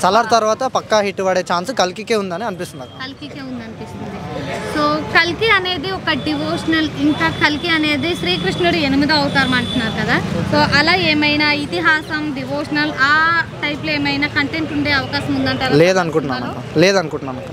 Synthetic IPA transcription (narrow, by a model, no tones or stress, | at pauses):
sɐlaːɾt̪ɐɾʋaːt̪ɐpɐkːɐɦiʈːuʋaːɽeːt͡ʃaːnsukɐlkikeːund̪ɐniɐnipist̪unɐkɐkɐlkike̞ːund̪iɐnipist̪und̪isoːkɐlkiɐne̞ːd̪iɔkɐɖiʋoːʂɐnɐliŋkaːkɐlkiɐne̞ːd̪iʃɾiːkɾiʂɐuɽienimid̪ɐɐwt̪aːɾmaːɳʈunːaːɾukɐd̪aːsoːʔɐlaːeːmɐjnaːit̪iɦaːsɐmɖiʋoːʂɐnɐlaːʈɐjpleːmɐjnaːkɐɳʈeːɳʈuɳɖe̞ːɐʋɐkaːʃɐmund̪ɐɳʈaːɾleːd̪ɐnukuɳʈunːaːnakɐleːd̪ɐnukuɳʈunaːmnakːɐ